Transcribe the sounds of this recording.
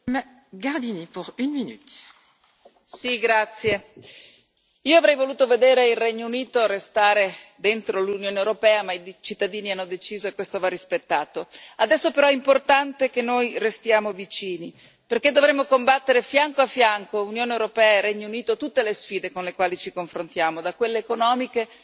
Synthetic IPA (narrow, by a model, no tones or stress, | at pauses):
m | ɡaʁd̪inipuʁynminyt̪ | siɡɾat̪sːje | iːoavɾɛjvoluːt̪oved̪ɛːɾeilrɛɲːouniːt̪orest̪aːɾed̪ent̪ɾolunjoːneewɾopɛːamait͡ʃit̪ːad̪iːnianːod̪et͡ʃiːzoekwest̪ovarːispet̪ːaːt̪oad̪ɛsːopeɾɔɛimport̪ant̪ekenːojrest̪jaːmovit͡ʃiːni | perk̟ed̪ːovɾemːokombat̪ːeɾefjaŋkoafːjaŋkounjoːnewɾopɛːaerɛɲːouniːt̪ot̪ut̪ːelesfiːd̪ekonlekwaːlit͡ʃikoɱfɾont̪jaːmod̪akwelːeːkonɔːmike